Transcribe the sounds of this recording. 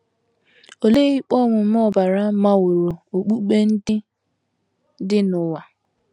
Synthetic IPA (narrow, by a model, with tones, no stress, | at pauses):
o˨le˦i˦k͡pɔ˦ŋʷʊ˨m̩˦ɔ˦ba˨ɾa˦ma˦wʊ˨ɾo˨o˨k͡pu˦k͡pe˦n̩˦dɪ˦ | dɪ˦nʊ˨wa˨